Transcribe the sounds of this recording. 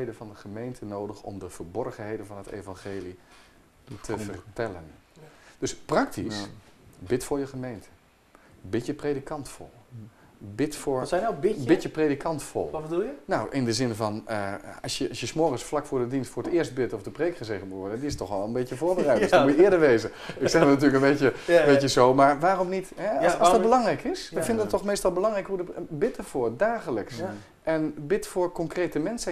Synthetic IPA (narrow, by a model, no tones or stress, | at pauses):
ejdəvɑndəɣəmeːntʰənoːdəxɔ̰mdəv̥əɹbɔrɣənheːdənvɔnətḛːvanxeːli | tʰəvərtɛlˠən | d̥øsprɑktʰisbɪtfʊːɹjəɣəmeːntʰə̥ | bɪtjəpredikʰɑntfɔ̰lˠ | bɪtfʊɹnabbɪtjəpredikʰɑntfɔ̰lˠɔbədulˠjənawʔɪndəzɪnvɔnəɑsjəɔsjəsmɔəɣəsflakfʊːɹdədinstfʊːɹətɪːəst̚bɪtɔfdəpreːkχəzeɣəmuʋɔɹdədiɪstɔxʋɔlˠənbɪtjəvoːɹbərɛjtsɔmujəɪədəɹʋeːzə | ɪksɛxɔnat̬yːləkənbeːtjəbejəzowmaɹʋaːromnitɦɛɔsdɔt̚bəlɑŋrɛjkɪsəfɪndədɔtːɔxmejstɔlˠbəlɑŋrɛjkhuədəbɪtəv̥ʊːɹdaːɣələks | ʔɛnbɪtfʊːɹkɔŋkreːtəmɛnsə